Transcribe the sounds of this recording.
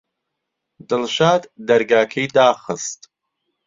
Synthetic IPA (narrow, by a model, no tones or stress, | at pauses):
d̪ɨlʃaːd̪d̪ɐɾɡaːkʰɐjd̪aːxɨst̪